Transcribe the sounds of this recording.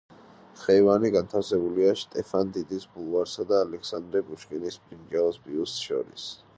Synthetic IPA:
χɛvaniɡant̪ʰafsɛbuliaʃt̪ʼɛfʰand̪id̪isbulˠvaɾsad̪aːlɛkʰsand̪ɾɛbuʃkʼinispʼind͡ʒɛɔsbiust̪ʃɔ̰ɾḭs

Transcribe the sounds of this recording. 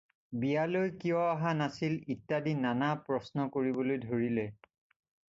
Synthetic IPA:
bijalojkijɔaɦanasilitːadinːanapɹɔsnɔkoɹibolojdʱoɹilɛ

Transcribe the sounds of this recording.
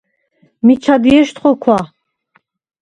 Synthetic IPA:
mit͡ʃʰad̪iɛʃt̪χɔkʰwa

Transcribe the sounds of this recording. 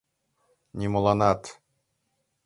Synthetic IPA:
nʲimŏlˠɑnɑt̪

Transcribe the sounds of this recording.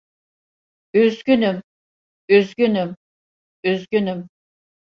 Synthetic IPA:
øzɡʲynym | øzɡʲynym | øzɡʲynym

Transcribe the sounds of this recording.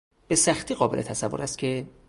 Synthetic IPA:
b̥e̞sæxt̪ʰiːɣɒːbe̞lʔet̪ʰæsævːoɾʔæst̪̚cʰe̞

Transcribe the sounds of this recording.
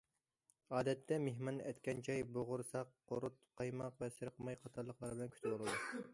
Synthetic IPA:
ɑːd̪ɛt̪ʰːɛmeɦmɑnɛt̪kʲɛnt͡ʃʰɑjboʁʊɾsɑqːoɾut̪qʰɑjmɑqvɛsɨɾqʰəmɑjqʰɑt̪ʰɑɾlˠəqlˠɑɾbɪlɛnkʲʰy̥t̪ʰɪbolˠɨd̪u

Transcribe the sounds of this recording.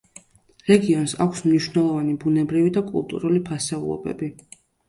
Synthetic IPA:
ɾɛɡiɔnsa̰kʷʰsmniʃvnɛlˠɔvanibunɛbɾivid̪akʼṵlˠt̪ʼṵɾulipʰasɛṵlˠɔ̰bɛ̰bi

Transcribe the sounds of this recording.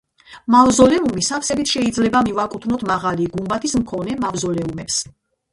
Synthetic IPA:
mavzɔlɛumisafsɛbit̪ʰʃɛid̪zlɛbamivakʼut̪ʰnɔt̪ʰmaʁaliɡumbat̪ʰismkʰɔnɛmavzɔlɛumɛps

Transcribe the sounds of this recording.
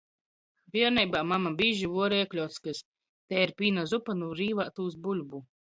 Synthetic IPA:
vʲiɛɾnɛjbaːmamabiːʒivuɔɾiɛklʲɔwt̪skas | t̪ɛːiɾpʲiːnazupanuːɾiːvaːt̪uːs̬bulʲbu

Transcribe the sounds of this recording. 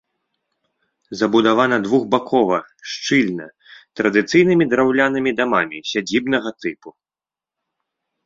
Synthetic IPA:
zɐbud̪avanɐd̪vuɣbakʰɔvɐʂt͡ʂɨlʲnɐ | t̪ɾɐd̪ɨt̪sɨjnɨmʲid̪ɾawlʲanɐmʲid̪amamʲisʲad͡zʲibn̪ɐɣɐt̪ɨpu

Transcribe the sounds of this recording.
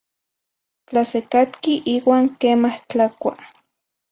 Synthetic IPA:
t͡ɬasekat̪kiʔiːwaːŋkeːmaht͡ɬakʷa̰

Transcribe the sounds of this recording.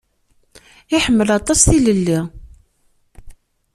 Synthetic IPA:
ɪħəmːəlɑt̪ˤɑsθiləlːi

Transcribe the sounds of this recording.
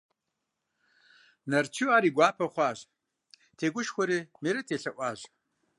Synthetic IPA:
nɐrt͡ʃʰiwaːɾiːɡʷaːpʰɐχʷaːʑ | tʰeːɡʷʊʃxʷɔɾiːmiɾɐtʰeːɬɐʔʷɑːʑ

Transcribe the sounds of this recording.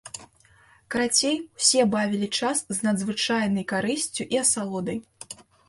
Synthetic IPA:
kɾat͡sʲejwsʲɛbavʲilʲit͡ʂasznɐd̪zvɨt͡ʂajnɐjkaɾɨsʲt͡sʲuʔiɐsalˠɔd̪ɐj

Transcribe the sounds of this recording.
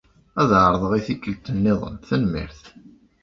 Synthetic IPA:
æðʕəɾˤəðˤəʁiθikːəlt̪ənːɪðˤə̰mθænmɪ̰ɾθ

